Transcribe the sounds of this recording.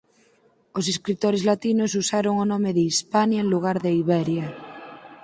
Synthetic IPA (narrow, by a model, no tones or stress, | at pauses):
os̬eskɾit̪oɾezlat̪inos̬usaɾoŋonɔmeðeispanjaenluɣ̞aɾðeiβɛɾja